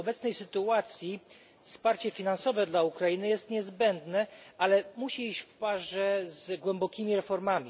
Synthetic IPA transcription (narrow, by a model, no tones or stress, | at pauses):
ɔbɛt̪snɛjsɘt̪uat̪sʲji | fspaɾt͡ɕɛfʲinansɔvɛd̪laukɾainɘjɛst̪ɲɛzbɛnd̪nɛʔalɛmuɕiiɕt͡ɕfpaʐɛzɡwɛmbɔkʲimʲiɾɛfɔɾmamʲi